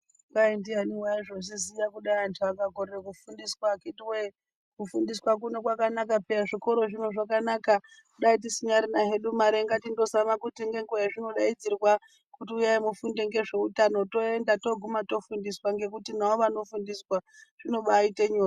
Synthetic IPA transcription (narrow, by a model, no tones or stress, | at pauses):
kaindianiwaiʐosizijakuɗaiantiʋakaɡʱoreekufundiswakitiwe | kufundiswak̬unokwakanakapeaʐiko̞ɾo̞ʐino̞ʐakanaka | kuɗait̬isiɲaɾinaɦe̞ɗumaɾeŋɡatindo̞samakutiŋɡe̞ŋɡojaʐino̞ɗaid͡zirwa | kutiujaimufundeŋɡe̞ʐe̞utano̞to̞endato̞ɡʱumato̞fundiswaŋɡe̞kutinaoʋano̞fundiswaʐ̥ino̞ɓaiteɲoːra